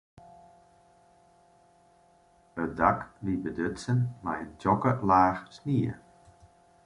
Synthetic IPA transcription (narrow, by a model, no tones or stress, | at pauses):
ədaklibədøtsənmajəntɔkəlaːxsniə̰